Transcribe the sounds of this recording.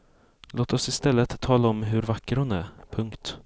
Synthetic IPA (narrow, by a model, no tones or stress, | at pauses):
loːt̪ɔsɪst̪ɛlːət̪ʰːɑːlaɔmɦɵɾvakːəɾhʊnæ̰ɾpʰɵŋkt̪